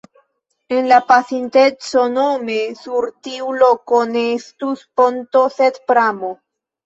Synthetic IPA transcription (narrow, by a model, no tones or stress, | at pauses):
enlapasint̪et͡sonomesuɾt̪iulokonest̪uspont̪osed̪pɾamo